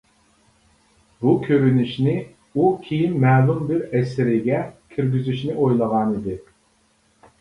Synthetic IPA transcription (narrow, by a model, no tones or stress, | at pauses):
bukʲʰøɾynyʃnɪ | ukʲʰijinːɛːlˠumbɪɾɛsɪɾɪɡʲɛkʲʰiɾɡʲyzyʃnɪojlˠɑʁɑnid̪ɪ